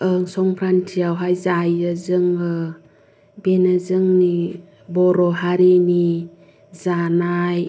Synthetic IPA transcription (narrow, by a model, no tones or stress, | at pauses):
ɯŋsɔŋpʰɾantʰiawɦajzajəzɯŋɯ | benazɯŋni | bɔɾɔɦaɾeni | zanaj